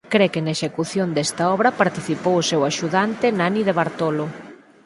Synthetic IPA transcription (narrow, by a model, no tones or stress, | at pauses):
kɾekɪnaeʃekuθjond̪ɛst̪ɐɔβɾɐpaɾt̪iθipowʊsɛwaʃuðant̪ɪnaniðeβaɾt̪olo